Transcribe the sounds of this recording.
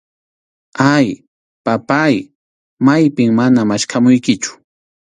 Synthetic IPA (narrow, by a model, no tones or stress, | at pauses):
aj | papaj | majpɪŋmanamaʃkʰamʊjkɪt͡ʃʊ̥